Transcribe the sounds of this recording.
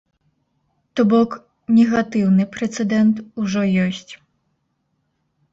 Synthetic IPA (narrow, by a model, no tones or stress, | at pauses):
t̪ɔbɔk | nʲɛɣat̪ɨwnɨpɾɛt̪sɛd̪ɛnt̪uʐɔjɔsʲt͡sʲ